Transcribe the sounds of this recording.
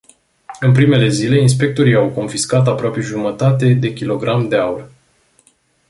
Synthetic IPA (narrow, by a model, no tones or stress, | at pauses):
ɨnpɾime̞le̞zile̞ins̬pe̞k̚t̪o̞ɾijawko̞nfiskat̪̬apɾoape̞ʒumət̪at̪e̞d̪e̞kʲilo̞ɡɾʔamd̪e̞aur